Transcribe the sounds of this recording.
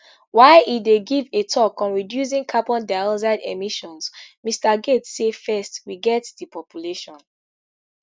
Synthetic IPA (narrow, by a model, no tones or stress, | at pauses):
waɪʔideɡivetʰɔkɔ̃nɹidjus̬ĩŋkʰabɔ̃ndaɔzaɪdemiʃɔ̃nsmistaɡetsefɛstwiɡɛtdipʰɔpjuleʃɔ̃n